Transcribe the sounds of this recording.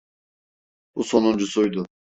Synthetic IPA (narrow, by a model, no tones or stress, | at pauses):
busonund͡ʒusujd̪ʊ